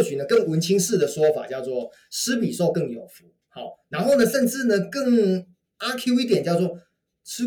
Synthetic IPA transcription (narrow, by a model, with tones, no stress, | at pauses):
t͡ɕʰy˨˩nə˦kə˥˩ŋwə˧˥nt͡ɕʰi˥ŋʂɻ̩˥˩d̪ə˩ʂwɔ˥fa̰˨˩t͡ɕjɑ˥˧ʊt͡swɔ˥˧ | ʂɹ̩˥pi˨˩so˥˧ʊkɤ˥˩ŋjo˨˩ʊfu˧˥˦ | hɑ˨˩˦na˧˥nxo˥˩ʊnə˩ʂə˥˧nʈ͡ʂɻ̩˥˩nə˩kə˥˩ŋ | a˥kʰu˥i˥˩t̪jɛ˨˩nt͡ɕjɑ˥˧ʊt͡swɔ˥˩ | ɹ̩˥